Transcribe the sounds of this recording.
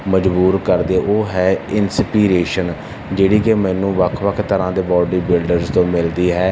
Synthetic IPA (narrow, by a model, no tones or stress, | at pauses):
məd͡ʒbuːɾkəɾd̪eːʔoːɦɛːɪnspiːɾeːʃən | d͡ʒeːɽiːkeːmɛ̃ːnũːʋəkʰʋəkʰt̪əɾãːd̪eːbɔːɖiːbɪlɖəɾzt̪õːmɪld̪iːɦɛː